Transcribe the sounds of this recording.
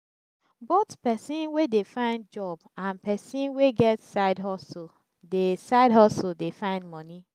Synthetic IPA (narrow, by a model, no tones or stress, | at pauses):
botpɛsĩnwedefãɪ̃nd̚d͡ʒɔbãnpɛsĩnweɡɛtsaɪdɦɔso | desaɪdɦɔsodefãɪ̃ndmɔni